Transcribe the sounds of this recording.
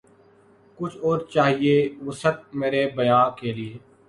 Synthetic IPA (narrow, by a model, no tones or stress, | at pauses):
kʊt͡ʃʰɔːɾt͡ʃaːɦieʋəsət̪̚meːɾeːbəjãːkeːlɪeː